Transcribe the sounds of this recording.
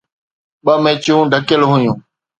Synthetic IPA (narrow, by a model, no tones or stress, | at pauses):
ɓəmẽːt͡ʃjũːɖʱəkəlɦʊjũː